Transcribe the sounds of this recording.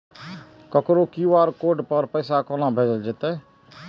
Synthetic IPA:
kəkɾokiːʋaːɾkoːɖpəɾpəɪsakɔnabʱeːd͡ʒəld͡ʒet̪e

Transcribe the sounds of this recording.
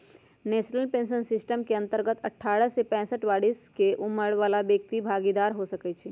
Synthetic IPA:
neʃnəlpẽnsənsɪsʈəmkeə̃nt̪əɾɡət̪əʈʰːaːɾəsepɛ̃ːsəʈʋaːɽiskeʔuməɽʋaːlabjək̚t̪ibʱaɡid̪aːɾɦosəkɛt͡ʃʰɛ

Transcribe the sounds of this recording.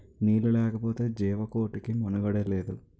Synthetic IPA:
niːlulɛːkɐpoːt̪e̞ːd͡ʒiːʋɐko̞ːʈikimunɐɡɐɽeleːd̪u

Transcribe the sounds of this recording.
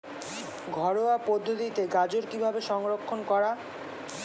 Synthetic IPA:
ɡʱɔɽoapod̪ʱːot̪it̪eɡad͡ʑoɾkibʱabeʃɔŋɾokʰːonkɔɾa

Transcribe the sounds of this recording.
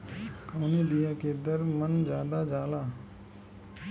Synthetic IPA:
kaːniːd̪ɪjãːkeːd̪əɾmənd͡ʒaːd̪aːd͡ʒaːlaː

